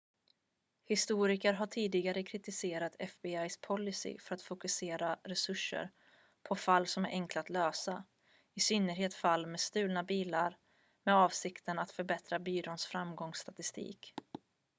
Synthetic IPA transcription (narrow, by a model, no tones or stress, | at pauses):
hɪst̪uːɾɪkəɾɦaʈʰiːd̪ɪɡaɾəkʰɾɪt̪ɪseːɾat̪ʰɛfbɪajspʰɔlːɪsɪ̰fœɾat̪fʊkɵseːɾaɾɛsɵʂːə̰ɾ | pʰɔfalːsɔmæɾʔɛŋklaat̪løːsa | ɪsʏnːəɾɦeːt̪falːmeːst̪ʉ̟ːlnabiːlaɾ | mɛɑːvsɪkt̪ənat̪fœɾbɛt̪ɾabyːɾoːnsfɾamɡɔŋst̪ʰat̪ɪst̪ʰḭːk